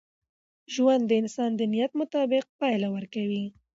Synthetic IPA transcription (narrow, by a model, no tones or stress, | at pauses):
ʒwand̪ːəɪnsɑnd̪ənijat̪mʊt̪ɑbɪq̚pɑjlawəɾkawi